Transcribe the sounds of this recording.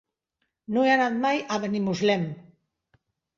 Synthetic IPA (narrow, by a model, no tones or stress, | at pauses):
nueanaðmajaβenimuzlem